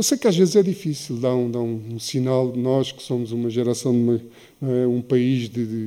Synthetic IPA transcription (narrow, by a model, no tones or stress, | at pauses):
ewsejkaʒvezzɛðifisilˠd̪aũd̪aũũsinalˠdnɔʃkɨ̥somuzumɐʒɛɾɐsɐ̃w̃d̪umɐ | ɛũpɐiʒðɨɨ